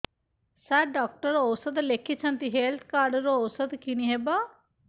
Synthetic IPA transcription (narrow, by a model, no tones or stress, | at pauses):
sɛɖɔːk̚ʈəɾoosət̪lekʰːit͡ʃʰɐnt̪iɦelt̪ʰkaːɾɖɾoosət̪kiniɦeba